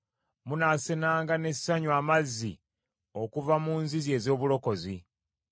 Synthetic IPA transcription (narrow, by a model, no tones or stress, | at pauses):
munasenaːŋɡane̞sːaɲuaːmazːi | o̞kuvamuːnzizje̞ːzo̞ːβulo̞ko̞zi